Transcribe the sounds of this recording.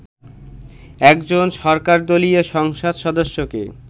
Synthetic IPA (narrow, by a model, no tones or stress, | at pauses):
ɛkd͡ʑonʃɔɾkaɾd̪olieʃɔŋʃod̪ʃɔd̪oʃːokḛ